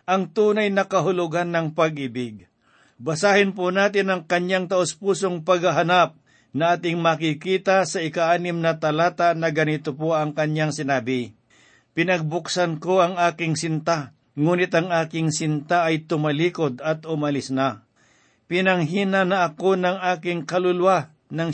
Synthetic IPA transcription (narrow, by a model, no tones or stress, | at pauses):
ʔɐŋt̪uːnajnɐkɐɦʊlʊɡanːɐŋpɐɡ̚ʔɪbɪɡ̚ | bɐsaːhɪnpʊnaːt̪̬ɪnɐŋkɐɲjaŋt̪ɐʔʊspuːsoŋpɐɡɐɦanap̚ | nɐʔaːt̪ɪŋmɐkɪkiːt̪asɐɪkaʔaːnɪmnɐt̪ɐlaːt̪aʔnɐɡɐnɪt̪opoʔɐŋkɐɲaŋsɪnaːbɪ | pɪnɐɡ̚bʊksɐnkoɐŋaːkɪŋsɪnt̪a | ŋuːnɪt̪ɐŋʔaːkɪŋsɪnt̪aʔɐjt̪ʊmɐliːkod̪ɐt̪ʊmɐlɪsna | pɪnɐŋɦiːnanɐʔːko̞nɐŋʔaːkɪŋkɐlʊlwa | nɐŋ